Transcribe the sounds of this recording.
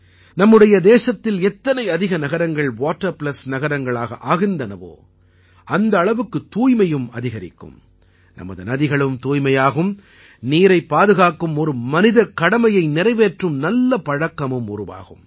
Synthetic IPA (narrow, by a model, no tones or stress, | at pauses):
nɐmːɯɽɐjɐd̪eːsɐt̪ːɪlɛt̪ːɐnɐɪɐðɪɣɐnɐɣɐɾɐŋɡɐɭʋaːʈːɐɾpɭɐsnɐɣɐɾɐŋɡɐɭaːɣɐ̰ʔaːɣɪnd̪ɐnɐʋo̰ː | ɐnd̪ɐːɭɐʋɯkːɯt̪uːjmɐjɯmɐ̰ðɪɣɐɾɪ̰kːɯ̰m | nɐ̰mɐ̰ðɯnɐðɪɣɐɭɯmt̪uːjmɐjaːɣɯm | niːɾɐɪpːaːðɯɣaːkːɯmɔɾɯmɐnɪðɐkɐɽɐmɐjɐɪnɪɾɐɪʋeːʈrɯmnɐlːɐpɐɻɐkːɐmɯmʊ̰rʊʋa̰ːɣɯm